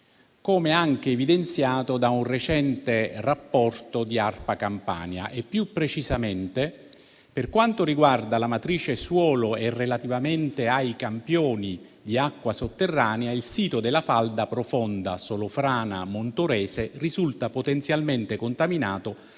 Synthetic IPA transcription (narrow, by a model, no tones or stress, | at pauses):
koːmeaŋk̟eːvid̪ent̪sjaːt̪od̪aunret͡ʃɛnt̪erapːɔrt̪od̪iarpakampa̰ːnja̰ʔepːjupːɾet͡ʃizament̪e | perkwant̪oɾiɡward̪alamat̪ɾiːt͡ʃeswɔːloɛrːelat̪ivament̪eajkampjoːnid̪iakːwasot̪ːerːaːneailsiːt̪od̪elafald̪apɾofɔnd̪a̰solofɾaːna̰mont̪oɾɛːserizult̪apot̪ɛnt̪sjalment̪ekont̪aminaːt̪o